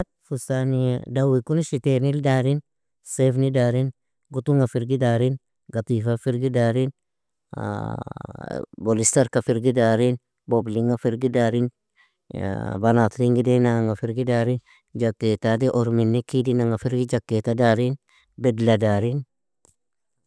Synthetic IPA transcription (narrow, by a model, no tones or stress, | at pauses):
t̚fusanidawikunʃitenildaɾin | sefnidaɾin | ɡutuŋafiɾɡidaɾin | ɡat̪ifafiɾɡidaɾin̰ | bolist̪aɾkafiɾɡidaɾin | bobliŋɡafiɾɡidaɾin̰ | banat̪ɾiŋɡidenaŋɡafiɾɡidaɾin | d͡ʒakːet̪adiʔɔɾminːikidinaŋɡafiɾɡid͡ʒakːetadaɾin | bɛdladaːɾin